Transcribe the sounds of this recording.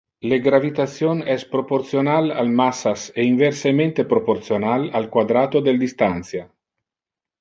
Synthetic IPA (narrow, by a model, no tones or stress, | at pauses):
leɡɾavit̪at̪sjonɛspɾoport̪sjonalalmasaseiɱversement̪epɾopoɾt̪sjonalalkwad̪ɾaːt̪od̪eld̪ist̪ant̪sja